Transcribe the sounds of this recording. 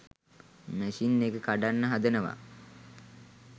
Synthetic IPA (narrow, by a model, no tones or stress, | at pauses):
mæʃinːeɡəkaɖanːəɦad̪ənəʋa̰